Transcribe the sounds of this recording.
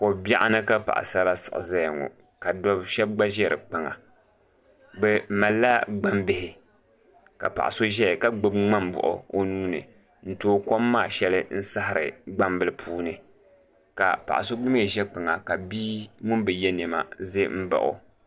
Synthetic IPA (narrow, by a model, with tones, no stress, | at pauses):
ko˨ba˦ʔa˦nɨ˦ka˦pa̰˨ʔa̰˨sa˦ɾa˦sɨ̥̰˨ʔɨ̰˨za˦˨ŋo̰˨ | ka˨dɔ˦bʃɛ˦b̚ɡ͡ba˦ʒɛ˦ɾɨ̰˨k͡pɨ˨ŋa̰˨ | bɛ˦ma˨lːa˦ɡ͡ba˦mbɪ˦˨hɪ˨ | ka̰˨pa̰˨ʔa˨so˦ʒɛ˦˨ka˦ɡ͡bɨ˦bŋ͡ma˦mbʊ̰˨ʔʊ̰˨o˦nuː˦nɨ̰˨ | n̩˦toː˦ko˦mːaː˦˨ʃɛ˦lɨ˦n̩˦sa˦ɦɪ˨ɾɨ̰˨ɡ͡ba˦mbɨ˦lɨ˦˨pʰuː˦nɨ˨ | ka̰˨pa̰˨ʔa˨so˦ɡ͡bʊ˦me˦˨ʒɛ˦k͡pɨ˨ŋa˨ka˨biː˦mʊ˦nbɨ˨jɛ˦nɛ˨ma̰˨ze˦m̩˦ba̰˨ʔʊ̰˨